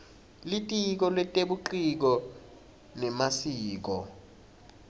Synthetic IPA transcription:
litʼik̬ɔlwɛtʼeɓuǃik̬ɔ | nɛmasiːk̬ɔ

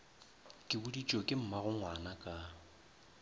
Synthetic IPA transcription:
kʼɪbudit͡ʃʼokʼɪm̩maɣʊŋwanakʼa

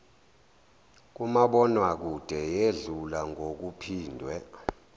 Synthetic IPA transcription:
k̬umaɓɔnwak̬ud̥ʱɛjeɮulaŋʱok̬upʰiːndʱwɛ

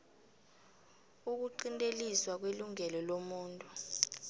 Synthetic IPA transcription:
uk̬uǃintʼeliswak̬weluŋɛlɔlomuːntʼu

